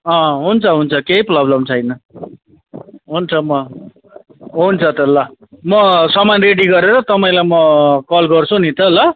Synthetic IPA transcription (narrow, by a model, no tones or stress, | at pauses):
ʌ̃ɦunt͡sʰʌɦunt͡sʰʌkejprʌblʌmt͡sʰʌjnʌ | ɦunt͡sʰʌmʌ | ɦunt͡sʰʌt̪ʌlːamʌsʌmanreɽiɡʌɾeɾʌt̪ʌpaĩlajmʌkʌlɡʌrt͡sʰũnit̪ʌlːʌ